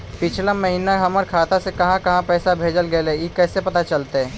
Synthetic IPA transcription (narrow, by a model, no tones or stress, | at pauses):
pɪt͡ʃʰlaməɦiːnaɦɐməɾkʰaːt̪asekɐɦãkɐɦãpɛːsabʱeːd͡ʒəlɡəeleikɛːsepɐt̪at͡ʃəlt̪eɦɛ̃ː